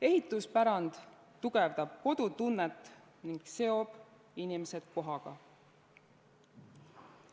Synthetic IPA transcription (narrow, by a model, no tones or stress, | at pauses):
e̞ɦit̪ˑuspæɾɑnd̪̥ | t̪ːuɡ̥e̞vd̪̥ɑb̥̚ko̞d̪̥ut̪unːet̪ːˑ | niŋɡ̥se̞o̞b̥ | inimese̞d̪̥ko̞ɦɑɡ̥ɑ̰